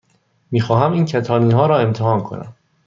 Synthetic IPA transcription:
miːxɒːɦæmiːncʰæt̪ʰɒːniːnɦɒːɾɒːe̞mt̪ʰehɒːnkʰo̞̰næ̰m

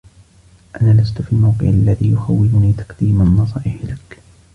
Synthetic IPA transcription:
ʔanaːlast̪ʊfiːmawqɨ̰ʕalːaðiːjʊxawːɪlʊniːt̪ɑ̥qd̪̥iːmanːɑsˤɑʕɪħlak

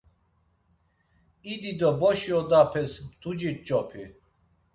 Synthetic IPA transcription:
id̪id̪ɔbɔʃiɔd̪apʰɛsmt̪ʰud͡ʒit̪̚t͡ʃʼɔpʰi

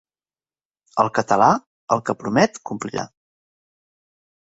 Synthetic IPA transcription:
əlˠkət̪əla | əlˠkəpɾumɛt̪kumplḭɾa̰

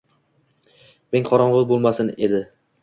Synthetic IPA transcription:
meŋqʰɒɾɒɴʁɨlˠbolˠmasɪne̞d̪ɪ

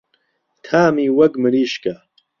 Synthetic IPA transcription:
t̪ʰaːmiːwɐkmɨɾiːʃkɐ

